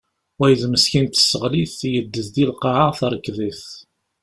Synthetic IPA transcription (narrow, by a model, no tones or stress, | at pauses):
wæjəðməsçint̪ə̥sːəʁliθjəd̪ːəθd̪ilqɑʕaθɾˤəkːðiθ